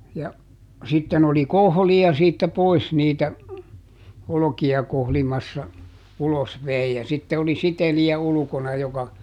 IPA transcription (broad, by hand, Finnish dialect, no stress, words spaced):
jɑ sitːen oli kohliɑ siːtːæ pois niːtæ olokiɑ kohlimɑsːɑ ulos ʋei jɑ sitːe oli siteliæ ulŭkonɑ jokɑ